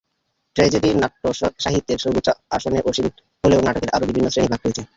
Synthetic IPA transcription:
ʈɾed͡ʑeɾinaʈːoʃaɦit̪ːeɾʃoɾbet̪ːɕoaʃoneʔoʃin | ɦoleonaʈokeɾʔaɾobibʱinːosɾenibʱaɡɾojet͡ɕʰe

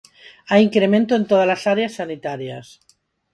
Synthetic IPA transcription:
aiŋkɾemẽ̞nt̪oe̞nt̪oð̞alasaɾeasːanit̪aɾjas

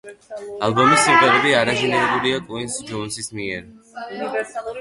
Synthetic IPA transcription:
alˠbɔmisːiqʼwɛɾɛbiaɾazinɛɛlˠuɾiakʼwinsd͡ʒɔnsismiɛɾ

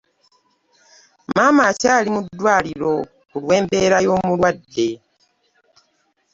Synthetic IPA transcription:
maːmacaːlimud̪ːwaːliɾo̞ | kulwe̞ːmbe̞ːɾajo̞ːmulwadːe̞

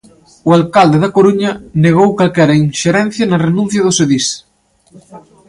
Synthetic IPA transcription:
ualkald̪eðɐkoɾuɲɐneɣ̞owkalkɛɾɐinʃeɾɛn̟θjɐnɐrenũn̟θjɐðʊseðis

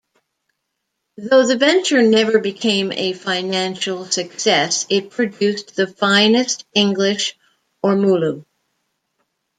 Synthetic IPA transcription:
ðoʊðɨvɛ̃nt͡ʃə˞nɛvə˞bɨkʰẽɪ̃mɨ̰fãɪ̃næ̃nʃl̩ˠsɨksɛsɪt̚pʰɹ̥ɨdʉsðɨfãɪ̃nɨstɪ̃ŋɡlɪʃ | ɔɹmulu

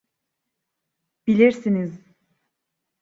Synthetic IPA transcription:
b̥ilʲiɾsiniz

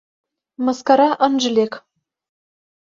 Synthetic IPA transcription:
mɑskɑɾɑʔɤ̆nʒɤ̆lʲek

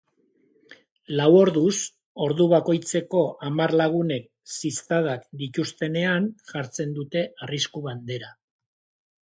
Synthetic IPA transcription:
lawo̞ɾðus | o̞ɾðuβako̞jt͡se̞ko̞ʔamarlaɣ̞une̞k̚ | sist̪að̞akd̪it̪ust̪e̞ne̞anʝaɾt͡se̞nd̪ut̪e̞ariskuβand̪e̞ɾa

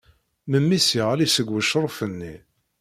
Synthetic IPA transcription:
məmːisiʁlisəɡwəʃɾˤfənːi

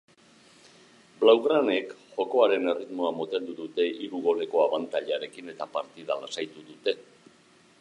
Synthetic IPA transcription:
blawɣɾane̞kʝo̞ko̞aɾe̞ne̞rit̪mo̞amot̪e̞nd̪uðut̪e̞ʔiɾuɣ̞o̞le̞ko̞aβant̪aʎaɾe̞kine̞t̪apaɾt̪iðalasajt̪uðut̪e̞

